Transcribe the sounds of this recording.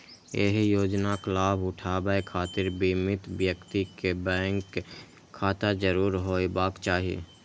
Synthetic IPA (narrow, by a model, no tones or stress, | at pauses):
ḛɦjoːd͡ʒnaklaːbʊʈʰaːbaekʰaːt̪ɪɾbimɪt̪bjəkt̪ikebɛ̃ːŋkʰː | aːt̪ad͡ʒəɾuːɾɦoːibaːkt͡ʃaːɦiḛː